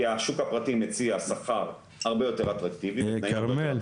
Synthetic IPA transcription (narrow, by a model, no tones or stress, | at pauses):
aʃukhapʁatimet͡siasaχaʁ | haʁbe̞jo̞te̞ʁat̪ʁaktivibetnajiee